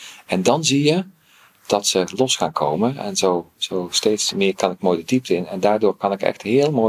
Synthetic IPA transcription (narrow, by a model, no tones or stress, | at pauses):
ʔɛndɑnzijə | d̥ɑtsəlɔsxaːnkʰowmənɛ̰nzowz̥owsteːtsmɪːkɑnɪkmoːjdədip̚təɪnɛndaːɹdʊːɹkɑnɪkɛ̰xtɦɪːəlˠmo